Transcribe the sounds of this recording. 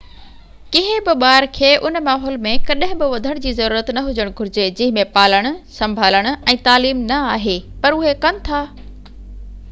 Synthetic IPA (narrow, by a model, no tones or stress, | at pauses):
kɪɦɪ̃bɪɓaːɾkʰeːʔʊnmaːɦɔːlmẽkɐɗɦɪ̃bɪʋɐd̪ʱəɽ̃d͡ʑiːzɐɾuːɾət̪nɐɦʊd͡ʑəɽ̃ɡʱʊɾɪd͡ʑed͡ʑɪ̃ɦɪ̃mẽpaːləɽ̃ʊ̆sɐ̃mbʱaːləɽ̃ʊ̆ɛ̃ːt̪aːliːmnɐaːɦeːpɐɾʊɦekɐnɪ̆t̪ʰaː